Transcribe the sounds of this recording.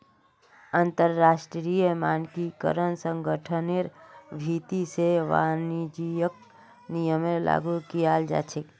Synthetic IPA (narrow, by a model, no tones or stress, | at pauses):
ənt̪əɾːaːʃʈɾijəmaːnkikə̰ɾənsə̃ŋɡəʈʰəneɾbʱiːt̪iseʋa̰ːnid͡ʒijək̚ | nijəmẽla̰ːɡukijaːld͡ʒa̰ːt͡ʃʰek